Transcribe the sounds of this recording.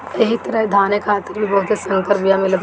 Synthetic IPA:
ɐɦit̪ɐɾəɦid̪ʱaːnekʰaːt̪əɾbʱibɐɦʊt̪esɐ̃ŋkəɾpijamɪlə

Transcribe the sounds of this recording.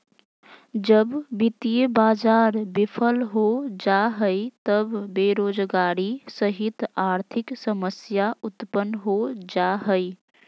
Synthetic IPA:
d͡ʒəbbit̪ijəbad͡ʒaɾbipʰəlɦod͡ʒaɦəjt̪əbbeɾod͡ʒɡaɾisəɦit̪aɾt̪ʰiksəməsjaʔut̪pənɦod͡ʒaɦəj

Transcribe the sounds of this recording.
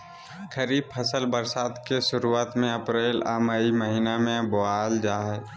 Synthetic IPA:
kʰəɾiːb̚pʰəsəlbəɾsaːt̪keʃʊɾuaːt̪mẽɐpɾeːlaməiməɦinamẽboaːld͡ʒaːɦɛː

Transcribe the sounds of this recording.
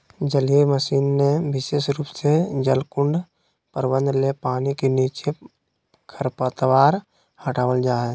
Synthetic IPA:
d͡ʒəlieməʃiːnːeʋɪʃeːʃɾuːpsed͡ʒəlkʊɳɖ | pəɾwə̃nd̪lepaːnikeniːt͡ʃe | kʰəɾpət̪ʋaːɾ | həʈaːwəld͡ʒaːɦ

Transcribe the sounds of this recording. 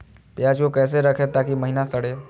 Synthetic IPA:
pjaːd͡ʒkokɛːs̬eɾɐkʰet̪aːkiməɦinasɐɽ̤eː

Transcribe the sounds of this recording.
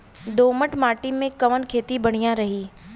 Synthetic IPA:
d̪oːməʈmaːʈimẽkɐʋənkʰeːt̪ibɐɽ̃ijãɾɐɦiː

